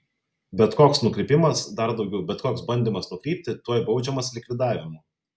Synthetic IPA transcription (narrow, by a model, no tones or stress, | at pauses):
bʲɛt̪koːksnʊkɾʲɪpʲɪmɐsd̪ɐɾd̪ɒʊɡʲɛʊbʲɛt̪koːksbɐnʲd̪ʲɪmɐsnʊkɾʲiːpʲt̪ʲɪt̪uɔjbɒʊd͡ʒʲɛmɐslʲɪkʲʋʲɪd̪ɑːʋʲɪmuː